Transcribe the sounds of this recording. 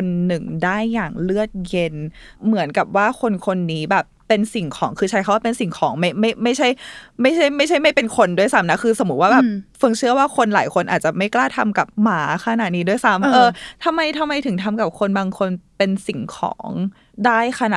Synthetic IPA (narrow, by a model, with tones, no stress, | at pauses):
o˧nːɯ˨˩ŋdaː˥˩jːaː˨˩ŋlɯ˥˩ət̪̚je˧n | mɯ˩˦ənka˨˩p̚waː˥˩kʰo˧nkʰo˧nːiː˦˥bɛː˨˩p̚ːe˧nsi˨˩ŋkʰɔː˩˦ŋkʰɯː˧t͡ɕʰa˦˥jkʰa˦˥waː˥˩pe˧nsi˨˩ŋkʰɔː˩˦ŋma˥˩jma˥˩jma˥˩jt͡ɕʰa˥˩jma˥˩jt͡ɕʰa˥˩jma˥˩jt͡ɕʰa˥˩jma˥˩jpe˧nkʰo˧ndu˥˩əjsa˦˥mna˦˥kʰɯː˧sa˧mu˨˦t̪̚waː˥˩bɛː˨˩p̚fɯ˧ŋt͡ɕʰɯ˥˩ɐwaː˥˩kʰo˧nlaː˨˩˦jkʰo˧nʔaː˨˩t̪̚t͡ɕa˨˩ma˥˩jklaː˥˩t̪ʰa˧mka˨˩p̚maː˩˦kʰa˧na˨˩t̪̚niː˧˦du˥˩jsa˦˥mʔɤː˧t̪ʰa˧mːa˧jt̪ʰa˧mːa˧jt̪ʰɯ˨˩˦ŋt̪ʰa˧mka˨˩p̚kʰo˧nbaː˧ŋkʰo˧npe˧nsi˨˩ŋkʰɔ̰ː˩˦ŋ | daː˥˩jkʰa˧na˨˩